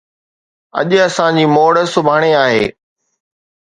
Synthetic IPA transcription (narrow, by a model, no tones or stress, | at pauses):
ɐ̰ʄɐsãd͡ʑiːmoːɽəsʊbʱaːɽ̃eaːɦḛː